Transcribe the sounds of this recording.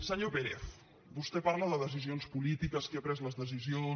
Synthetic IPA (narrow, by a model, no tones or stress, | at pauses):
səɲopeɾḛθ | bust̪ɛpaɾləðəðəs̬izionspulit̪ikəskeapɾɛzləzðəsizio